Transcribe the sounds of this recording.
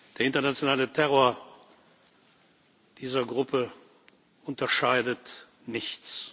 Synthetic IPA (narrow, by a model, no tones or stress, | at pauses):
d̥eːɐɪntɐnat͡sjonaːlətʰɛʁoːɐ | d̥iːzɐɡʁʊpə | ʔʊntɐʃaɪdət | nɪçt͡s